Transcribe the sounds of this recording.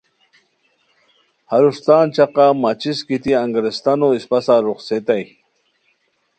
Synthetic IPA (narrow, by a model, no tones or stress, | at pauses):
haɾuʂt̪aːnt͡ɕaqamat͡ɕiskit̪iaŋɡɾest̪anoispasaɾuχset̪aj